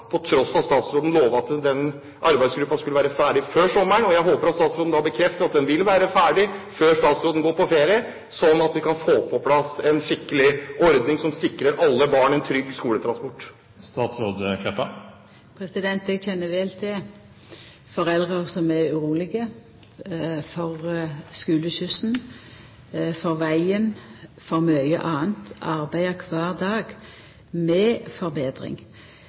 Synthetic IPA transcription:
pʰɔt̪ʰɾɔsɑst̪ɑːt̪sɾoːd̪ən̩loːʋəɑt̪d̪ɛn | ʔɑɾbæɪsɡɾʉpːɑnskʉləʋæːɾəfæːɖɪføːʂɔmːəɳɔjæɪɦoːpəɾɑt̪stɑːt̪sɾoːd̪n̩d̪ɑbəkʰɾɛft̪əɾɑt̪̚d̪ɛnʋɪlʋæːɾəfæːɖɪføːʂt̪ɑːt̪sɾoːd̪n̩ɡoːɾpʰɔfeːɾɪə | sɔnɑt̪ʋɪkʰɑnfoːpʰɔpʰlɑsɛnʂɪkːəlɪʔɔɾd̪nɪŋsɔmsɪkɾəɾʔɑlːəbɑːɳɛnt̪ʰɾʏɡ̚skuːlət̪ʰɾɑnspɔʈː | st̪ɑːt̪sɾoːd̪kʰɛpːə | pʰɾɛsɪd̪ɛnt̪ɛɡçɛnːəʋɛlt̪ʰɪ | fɔʁɛld̪ʁəʁsɔmɛɾʉʁuːlɪɡə | fɔʁskʉːləʃʉsn | fɔɾʋæɪənfɔʁmœʏə̰ʔɑːənt̪ɑʁbæɪəkʰʋɑːʁd̪ɑːɡ | mɛfɔɾbeːd̪ɾɪ̰ŋ

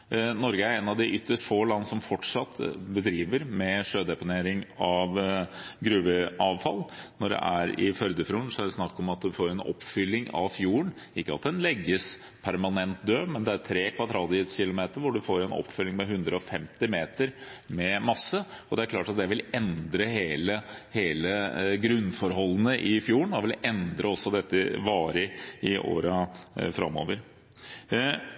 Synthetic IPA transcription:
nɔɾɡəæɾɛnɑʋd̪ɪʔʏt̪ːəʂʈfoːlɑnːəsɔmfɔʈʂɑt̪ːbəd̪ɾiːʋəɾmɛʂøːd̪ɛpʊneːɾɪŋɑʋɡɾʉːʋəʔɑːʋfɑ̰lːnɔɖɛ̰ʔæɾɪ̰fœɾd̪əfɾuːɳsɔæɖɛsnɑkːɔmɑt̪̚d̪ʉfoːɾɛnɔ̰pːfʏlːɪŋɑ̰ʋfjuːəɳ | ɪkːəɑt̪d̪ɛnlɛɡːəs | pʰæɾmɑnɛnt̪̚d̪øːmɛnd̪ɛæɾt̪ʰɾeːkʰʋɑd̪ɾɑːd̪ɪət̪sçɪlʊmeːt̪əɾʋʊɖʉfoːɾɛnɔ̰pːfʏlːɪŋmɛɦʉnd̪ɾəɔfɛmt̪ɪmeːt̪əɾmɛmɑsːəɔd̪ɛæɾklɑːʈɑt̪̚d̪ɛʋɪlɛnd̪ɾəɦeːləheːləɡɾʉnːfɔɾɦɔlːənəʔɪfjuːəɳɔʋɪlɛnd̪ɾʔəɔsːɔd̪ɛt̪ːəʋɑːɾəɪʔo̰ːɾəfɾɑ̰mo̰ːʋəɾ

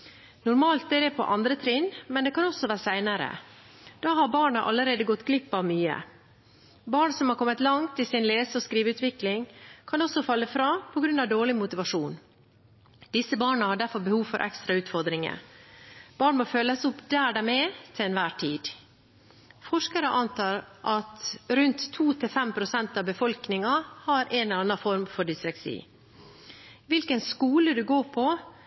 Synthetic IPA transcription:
nʊɾmɑːlt̪̚d̪ɛɾɛpʰɔ̰ʔɑnd̪ɾət̪ʰɾɪnmɛnd̪ɛkʰɑnɔsːɔʋæːɾsæɪnəɾə̰ | d̪̥ɑːɦɑɾbɑːɳəʔɑ̰lːəɾeːd̪əɡɔt̪ːɡlɪpːɑʋmyːə̰ | bɑːɳsɔmhɑɾkʰɔmːət̪lɑŋt̪ɪsɪnleːsəɔskɾiːʋəʉːt̪ʋɪklɪŋkʰɑnɔsɔfɑlːəfɾɑːpʰɔɡɾʉnɑʋd̪oːɭɪmʊt̪ɪʋɑʂuːn | d̪̥ɪsəbɑːɳəhɑɖæɾfɔɾbəhuːʋfɔɾʔɛ̰kst̪ɾɑʉːt̪fɔɾd̪ɾɪŋə̰ | b̥ɑːɳmɔføːləsʊpd̪æːɖɛmɛt̪ʰɪlɛnʋæːʈʰiːd̪̥ | fɔʂkəɾəʔɑnt̪ʰɑːɾʔɑt̪ɾʉnt̪ʰːuːt̪ʰɪlfɛmpʰɾʊsɛnt̪ɑʋbəfɔlknɪŋɑhɑɾʔɛnɛɑnːɑfɔɾmfɔɖɪsɾɛksḭː | ʋɪlkənskuːləd̪ʉɡoːɾpʰɔ

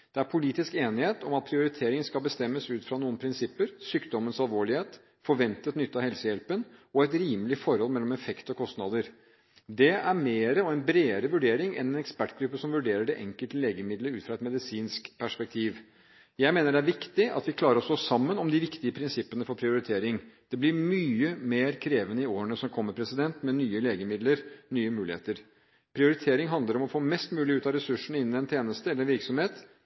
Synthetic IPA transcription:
d̪̥ɛæɾpʰʊliːt̪ɪskeːnɪheːt̪ɔmɑt̪̚pʰɾɪʊɾɪt̪ʰeːɾɪŋənskɑlbəst̪ɛmːəsʉːt̪fɾɑnuːənpʰɾɪnsɪpːəɾsyːkd̪ɔmənsɑlʋoːɭɪheːt̪ | fɔɾʋɛnt̪ət̪nʏt̪ːəɑhɛlsəjɛlpənɔɛt̪ɾiːməlɪfɔɾhɔlmɛlːɔmɛfɛkt̪ɔkʰɔst̪nɑːd̪əɾ | d̪ɛæɾmeːɾəɔɛnbɾeːəɾəʋʉɖeːɾɪŋɛ̰nɛnɛkspæʈːɡɾʉpːəsɔmʋʉɖeːɾəɖɛʔɛŋkəlt̪əleːɡəmɪd̪ləɾʉːt̪fɾɑɛt̪mɛd̪ɪsiːnskpʰæʂpɛk̚t̪ʰiːʋ | jæɪmeːnəɖɛæɾʋɪkt̪ɪʔɑ̰t̪ʋɪkʰlɑːɾəɾɔst̪oːsɑmːənɔmd̪ɪʋɪkt̪ɪəpʰɾɪnsɪpːənəfɔɾpʰɾɪʊɾɪt̪ʰeːɾɪŋd̪̥ɛblɪɾmyːəmeːɾkʰɾeːʋənəɪoːɾəɳəsɔmkʰɔmːəɾpʰɾɛsɪd̪ɛnt̪mɛnyːəleːɡəmɪd̪ləɾnyːəmʉːlɪhḛːt̪əɾ | pʰɾɪʊɾɪt̪ʰeːɾɪŋɦɑnd̪əɾɔmɔfoːmɛst̪mʉːlɪʉːt̪ɑɾɛsʉʂɳ̩ɪnːɪɛnt̪ʰjeːnəst̪əɛlːɾɛnʋɪɾksɔmheːt̪

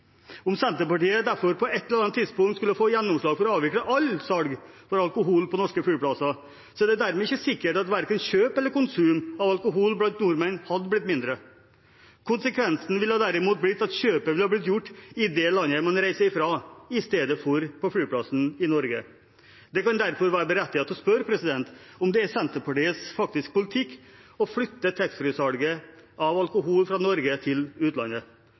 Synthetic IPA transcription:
ʊmsɛnt̪əpɑʈiːəd̪æɾfɔɾpʰɔɛt̪ːələɾɑnət̪ʰːɪd̪spʊŋt̪skʉlːəfoːjɛnːʊmʂɭɑːɡfɔɾɔɑːʋɪkləʔɑlsɑlɡ | fɔɾɑlkʊɦuːlpʰɔnɔʂkəfɽyːpʰlɑsɑ | sɔd̪ɛd̪æɾmɛɪçːəsɪkːəʈɑt̪ʋæɾkənɕøːpɛlːəɾkʊnsʉːmɑʋɑlkʊɦuːlblɑnt̪nuːɾmɛnhɑd̪əblɪt̪ːmɪnd̪ɾə | kʰʊnsəkʰʋɛnsn̩ʋɪlhɑːd̪æɾɪmuːt̪̚blɪt̪ːɑt̪ɕøːpəʋɪlhɑːblɪt̪̬jʊʈːɪd̪ɛlɑnːəmɑnɾæɪsəɪfɾɑɪst̪eːd̪əfɔɾpʰɔflyːpʰlɑsn̩ɪnɔɾɡə | d̪̥ɛkɑnd̪æɾfɔɾʋæːɾəbəɾɛt̪ːɪɑt̪ɔspœɾpʰɾɛsɪd̪ɛnt̪ | ɔmd̪ɛæsɛnt̪əpɑʈiːəsfɑk̚t̪ɪsk̚pʊlɪt̪ʰɪkːɔflʏt̪ːət̪ʰɛkst̪fɾyːsɑlɡə | ʔɑʋɑlkʊɦuːlfɾɑnɔɾɡət̪ʰɪlʉːt̪lɑ̰nə

